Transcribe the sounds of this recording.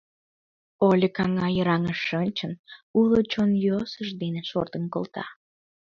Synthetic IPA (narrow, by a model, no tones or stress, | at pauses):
olʲəkɑŋɑjəɾɑŋəʃːənʲt͡ɕənulot͡ɕonjosəʃd̪eneʃo̰rt̪ənko̰lt̪ɑ̰